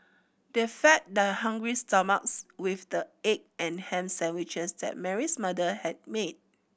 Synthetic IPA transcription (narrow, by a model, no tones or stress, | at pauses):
d̥efɛt̚dəhãŋɡɹistɔmak̚swifdəek̚ɛ̃nhɛ̃msɛ̃nwit͡ʃəsdɛ̰t̚mɛɹismadəhɛd̚med̚